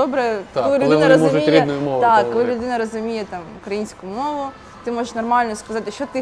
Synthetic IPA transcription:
ɔbɾɛɔlˠɪlʲlˠɪʋɔnɐɪzmɔɾʲinʊjʊmɔʋd̪akːɔlˠɪlʲʊd̪ɪnɐɾɐzʊmʲijɛt̪ɑmʊkɾɐjinʲsʲkʊmɔʋʊ | t̪ɪmɔʐɪʂnɐrmɑlʲnɔskɐzɑt̪ɪʃt͡ʃɔt̪ɪ

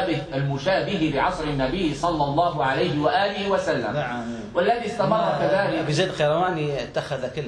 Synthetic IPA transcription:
bɪhalmʊʃaːʔbɪɦɪbɪʕɑsˤɾɪnːabɪjːsˤɑlːɑlˤːɑːɦʕalajhɪwaʔaːlɪhɪwasalːa̰m | walːaðist̪amɑrˤːɑkaðaːlɪbɪzeːd̪qɑjɾˤɑwaːniɪt̪ːaxaðakɪlː

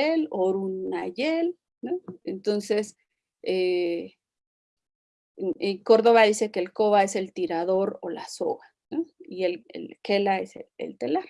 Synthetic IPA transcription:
eloɾunːaʝel | noent̪onse̞s | e | eko̞ɾðo̞βaðise̞ke̞ːlko̞βae̞se̞lt̪iɾaðo̞ɾo̞̰la̰so̞̰ɣa | noielḛlke̞lae̞sḛlḛlt̪elaɾ

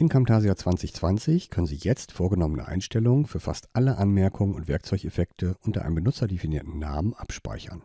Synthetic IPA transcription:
ʔɪnkʰamtʰaːzjaːt͡sv̥ant͡sɪçt͡sv̥ant͡sɪçkʰœnənzḭːjɛt͡stfoːɐɡənɔmənə̰ʔa̰ɪnʃtɛlʊŋənfyːɐfa̰stʔaləʔanmɛɐkʰʊŋənʊ̰ntvɛɐkt͡sɔʏçefɛktʰəʔʊntɐʔa̰ɪnəmbənʊt͡sɐdefiniːɐtn̩na̰ːmənʔapʃpa̰ɪçɐ̰n

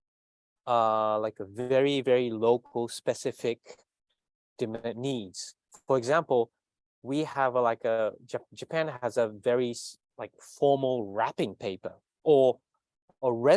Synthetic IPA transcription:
ʌlaɪkəvɛɹivɛɹiloʊkʰl̩ˠspɨsɪfɪk | d̥ɨmnidz̥ | fə˞ɨɡzæ̃mpl̩ˠ | wiəvlaɪkəd͡ʒɨd͡ʒɨpʰæ̃nɨzəvɛɹis | laɪkfɔɹml̩ˠɹæpɪ̃ŋpʰeɪpə̰˞ | ʔə˞ | əɹɛ

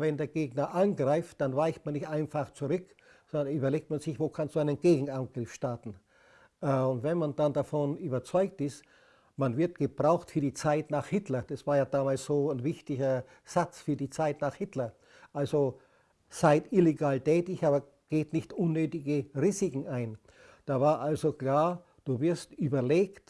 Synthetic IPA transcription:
vɛndeːɐɡ̥eːɡnɐʔanɡʁaɪft̚d̥anvaɪçtmanːɪçtʔaɪnfaχt͡suʁʏk | sɔndɐnyːbɐleːk̚tmanz̥ɪçvoːkʰanstd̥uaɪnənɡ̥eːɡŋ̩anɡʁɪfʃtaɐtn̩ | ʔʊntvɛnmandandafɔnyːbɐt͡sɔʏk̚tɪst | manvɪɐt̚ɡ̥əb̥ʁaʊxtfyːɐdiːt͡saɪtnaːχhɪtʰlɐd̥asv̥aːɐjaːdaːmaːlsz̥oːnvɪçtɪçɐ | z̥at͡sfyːɐdiːt͡saɪtnaːχhɪtlɐ | ʔalzo | z̥aɪtʔɪleɡaːltɛːtɪçʔaːbɐ | ɡ̥eːtnɪçtʔʊnːøːtɪɡəʁiːzɪkŋ̩ʔaɪn | d̥aːvaːɐʔalzokl̥aːɐ | d̥uːvɪɐstʔyːbɐleːkt

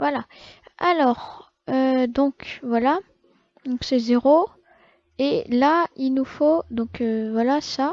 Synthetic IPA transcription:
vwalaalɔːʁ | ød̪ɔ̃kvwala | d̪ɔ̃ksɛzeʁo | elailnufod̪ɔ̃køvwalasa

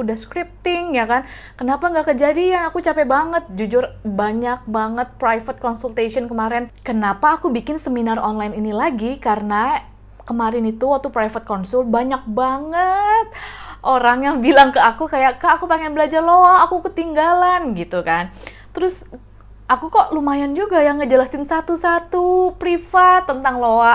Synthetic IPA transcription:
udahskɾip̚t̪ɪŋjakan | kənapaŋɡaʔkəd͡ʒadianakut͡ʃapɛbaŋət̪̚d͡ʒud͡ʒʊrbaɲak̚baŋət̪̚pɾajfət̪̚kɔnsult̪esɔnkəmaɾɛnkənapaːkubikɪnsəminarɔnlajninilaɡikarəna | kəmaɾɪnit̪uwak̚t̪upɾaifət̪̚kɔnsʊlbaɲak̚baŋət̪̚ʔoɾaŋjaŋbilaŋkəakukajaʔkaːkupaŋɛnbəlad͡ʒarloaːkukət̪iŋɡalanɡit̪ukan | t̪əɾʊs | ʔakukɔʔlumajand͡ʒuɡajaŋːəd͡ʒəlast̪ɪnsat̪usat̪upɾifat̪ːənt̪aŋloa

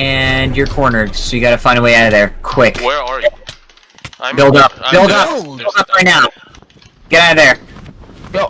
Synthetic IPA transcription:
ɨ̃njə˞kʰɔɹnə˞soʊjɨɡɑɾɨfãɪ̃ndəweɪaʊɾʌvðə˞kʰw̥ɪk | bɪlˠdʌp̚bɪlˠdʌb̥ɪlˠdʌp̚ɹaɪtⁿnaʊ | ɡ̥ɛɾaʊɾvðə˞

